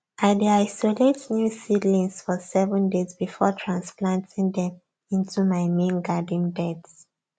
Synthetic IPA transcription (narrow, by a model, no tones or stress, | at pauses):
ʔaɪdeaɪsoletnjusidlĩŋsfɔsɛvə̃ndezbifɔtʰɹãnsplãntʰĩŋdɛ̃m | ĩntʰumaɪmẽnɡad̃n̩bɛds